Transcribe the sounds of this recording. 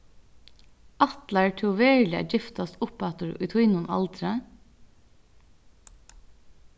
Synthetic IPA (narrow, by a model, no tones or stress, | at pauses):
ʔɑt̪læɹʈʰʊʋeːɭɪæ̰d͡ʒɪft̪ɑst̪ʊpæt̪əɾʉ̰t̪ʰwiːnʊnʔɑ̰lt̪ʰɾə